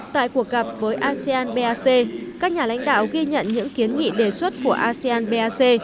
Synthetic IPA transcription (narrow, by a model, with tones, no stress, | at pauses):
t̪a̰ː˧˨jku˨˩ək̚ɣə˨˩p̚vəː˨˦jʔaː˧si˧aː˧nɓe˧aː˧se˧kaː˦˥k̚ɲaː˨˩la̰˧˥jŋ̟ɗa̰ː˧˨wɣi˧ɲə̰˧˨nɲɨ̰˧˥ŋki˨˦ənŋḭ˧˨ɗe˨˩swə˦˥t̚ku˧˩əʔaː˧si˧aː˧nɓe˧ʔaː˧se˧